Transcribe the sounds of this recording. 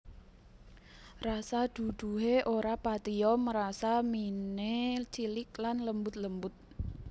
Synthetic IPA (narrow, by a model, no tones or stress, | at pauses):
rasad̪̥ṳd̪̥ṳɦeʔoɾapat̪iɔməɾasaminet͡ʃilɪk̚lanləmbʊt̪̚ləmbʊt̪̚